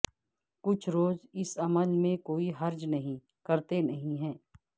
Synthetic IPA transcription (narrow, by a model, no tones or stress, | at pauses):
kʊt͡ʃʰɾoːzɪsɐməlmẽkoːiɦɐɾd͡ʒnɐɦĩ | kɐɾt̪enɐɦĩɦɛ̃ː